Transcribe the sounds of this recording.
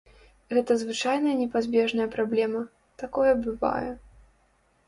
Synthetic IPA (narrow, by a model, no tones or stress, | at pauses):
ɣɛt̪ɐzvɨt͡ʂajnɐjɐnʲɛpazʲbʲɛʐnɐjɐpɾablʲɛmɐ | t̪akɔjɐbɨva̰jɛ̰